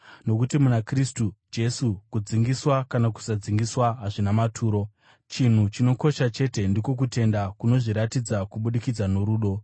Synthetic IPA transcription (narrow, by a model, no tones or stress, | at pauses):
no̞kutimunakristud͡ʒe̞sukud͡ziŋɡiswakanaku̥sad͡ziŋɡiswaɦaʐinamatʰuːɾo̞ | t͡ʃin̤ut͡ʃino̞ko̞ʃat͡ʃe̞te̞ndikok̬ute̞ndakuno̞ʐiɾatid͡zakuɓuɗikid͡zanoɾuːɗo̞